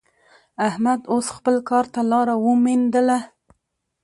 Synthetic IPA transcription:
ahmad̪osxpəlkɑɾt̪alɑɾawəmend̪əla

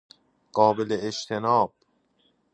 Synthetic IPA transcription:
ɢ̥ɒːbeleːʃt̪ʰenɒːb̥̚

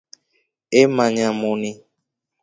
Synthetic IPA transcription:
emaɲamoni

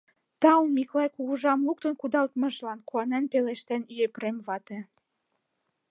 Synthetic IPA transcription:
t̪ɑumiklɑjkuɣuʒɑmluk̚t̪ə̆nkud̪ɑlt̪mɤ̆ʒlɑnkuɑnænpeleʃt̪ænyjepremβɑt̪ĕ

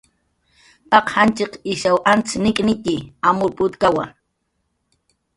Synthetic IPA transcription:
pɑqhant͡ʃɪqɪʃawʔant͡snɪkʼnɪt̪iamʊpʼʊt̪kawa̰

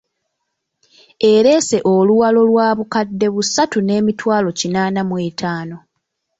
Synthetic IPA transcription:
e̞ɾe̞ːse̞ʔo̞luwalo̞lwaːβukadːe̞βusatune̞ːmitwaːlo̞cinaːnamweːtʰaːno̞

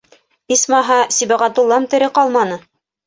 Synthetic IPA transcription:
ismɑɦɑsibæʁæt̪ulˠːɑmt̪ɘ̆ɾɘqɑlˠmɑnɤ

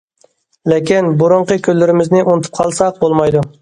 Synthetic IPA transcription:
lekʲinbuɾʊɴqəkʲʰølːɪɾɪmɪznɪʔunt̪ʰɨ̥p̚qʰɑlˠsɑq̚bolˠmɑjd̪u

